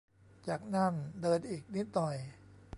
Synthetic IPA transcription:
t͡ɕaː˨˩k̚na˥˩ndɤː˧nʔiː˨˩k̚ni˦˥t̪̚ːɔ˨˩j

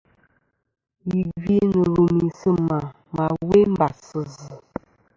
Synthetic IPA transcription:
ji˨vi˦nə˨ɾu˨mi˨sə˦ma˨ | ma˨we˦m˦ba˨sə˨zə˨

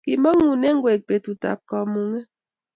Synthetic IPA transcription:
ki˨mɔ˦ŋu˨ne˦ŋ̩˦ɡwe˨k̚pe˨tu˨ta̰˨p̚kɔ˨mu˨ŋe˦

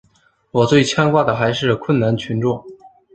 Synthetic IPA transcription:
wɔ˨˩t͡swe˥˩ɪt͡ɕʰjɑ˥ŋkwa˥˩d̪ə˩xa˧˥ɪʂɻ̩˥˩kʰwə˥˩nna˧˥nt͡ɕʰy˧˥nʈ͡ʂʊ˥˩ŋ

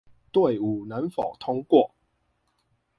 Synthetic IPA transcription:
t̪we˥˨ɪu˨˩na˨˦nfɔ̰˨˩ʊt̪ʰʊ˥ŋkwɔ˥˨

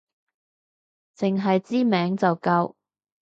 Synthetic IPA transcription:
t͡sɪ˨˩ŋɦɐ˨jt͡siː˥mɛː˨˥ŋt͡sɐ˨wkɐ˧w

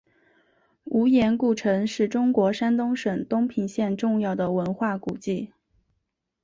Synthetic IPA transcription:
u˧˥jɛ˧˥nku˥˩ʈ͡ʂʰɤ˧˥ŋʂɻ̩˥˩ʈ͡ʂʊ˥ŋkwɔ˧˥ʂa˥nt̪ʊ˥ŋʂə˨˩ŋt̪ʊ˥ŋpʰi˨˩ŋɕjɛ˥˧nʈ͡ʂʊ˥˧ŋjɑ˥˩ʊd̪ə˩wə˧˥nxwa˥˩kṵ˨˩t͡ɕi˥˩

